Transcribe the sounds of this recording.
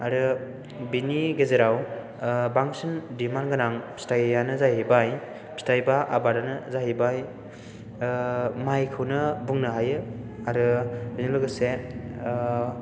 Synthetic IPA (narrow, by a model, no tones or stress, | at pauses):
aɾɯ | biniɡezeɾaw | baŋsɯndimanɡɯnaŋstajjanɯzajibaj | si̥tajbaʔa̰baɾanɯzaɦibaj | majkʰɯwnɯbuŋnɯɦajɯaɾɯbɯjnɯlɯɡɯse